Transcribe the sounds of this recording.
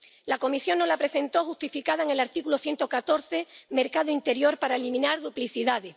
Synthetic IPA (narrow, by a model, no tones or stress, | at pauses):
lako̞misjo̞ŋnolapɾe̞se̞nt̪o̞xuht̪ifikaðaeŋe̞laɾt̪ikuloθje̞nt̪o̞kat̪o̞ɾθe̞me̞ɾkaðoint̪e̞ɾjo̞ɾpaɾaelimĩnaɾðupliθiðaðe